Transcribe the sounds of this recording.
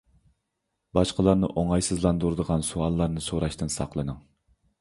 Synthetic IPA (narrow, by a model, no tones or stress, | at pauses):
bɑʃqəlˠɑɾnɨʔoŋɑjsɨzlˠɑnd̪uɾd̪əʁɑnsuɑlˠːɑɾnɨsoɾɑʃt̪ɨnsɑ̰qlˠɨnɨŋ